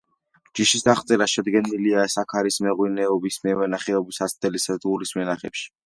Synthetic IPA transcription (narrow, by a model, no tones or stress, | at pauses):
d͡ʒ̥iʃisd̪aχt̪sʼɛɾaʃɛd̪ɡɛniliasakʰaɾismɛʁwinɛɔbismɛwɛnaχɛɔbisasʰd̪ɛlist̪ʼɡulismɛnaχɛ̰pʃi̥